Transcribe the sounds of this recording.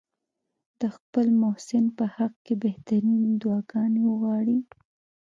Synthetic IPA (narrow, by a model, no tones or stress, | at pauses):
d̪̥əxpəlmosɪnpəhaq̚kebeht̪aɾind̪wɑɡɑnwəɣwɑɽi